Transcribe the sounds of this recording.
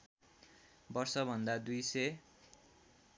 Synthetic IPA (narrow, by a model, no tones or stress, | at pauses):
bʌrsʌbʱʌnd̪ad̪ujsʌj